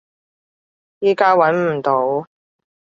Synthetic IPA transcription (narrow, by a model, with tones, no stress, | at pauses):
jiː˥kaː˥wɐ˨˥nm̩˨˩t̪o˨˥w